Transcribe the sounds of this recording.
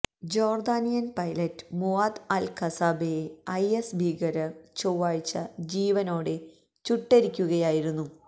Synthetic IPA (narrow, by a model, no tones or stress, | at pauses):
d͡ʑo̞ːrd̪aːnijɐnpɐjlɐtːɨ̥muaːd̪alkʰɐsaːbejeɐjesbʱiːɡɐɾɐt͡ɕowːaːjit͡ɕːɐ̰d͡ʑiːʋɐno̞ːɽe̞ | t͡ɕuʈːe̞ɾikʲːuɣɐjaːjiɾunːu